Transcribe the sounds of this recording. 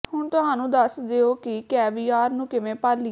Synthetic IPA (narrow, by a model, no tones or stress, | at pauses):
hʊɳt̪ʊɦaːnũːd̪əsd̪eoːkɪkɛːʋiːaːɾnũːkɪʋẽːpəɾli